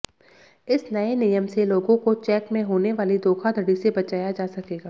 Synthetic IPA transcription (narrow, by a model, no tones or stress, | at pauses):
ɪsnɐenɪjəmseloːɡõkot͡ʃɛːkmẽɦoːneʋaːlid̪oːkʰad̪ʱɐɽisebɐt͡ʃaːjad͡ʒaːsɐkeːɡaː